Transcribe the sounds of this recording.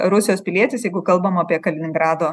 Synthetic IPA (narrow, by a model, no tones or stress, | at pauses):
ɾʊsʲɪjoːspʲɪlʲiɛt̪ʲɪsjɛɪɡʊkɐlˠbɐmɐpʲiɛkɐlʲɪnʲɪŋɡɾɑːd̪oː